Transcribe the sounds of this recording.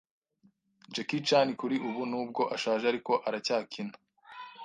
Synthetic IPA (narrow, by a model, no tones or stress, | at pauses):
d͡ʒekit͡ʃanikuɾiʔuβunuːb̚ɡo̞ʔaʃaːʒeaɾiko̞ʔaɾacaːkʰina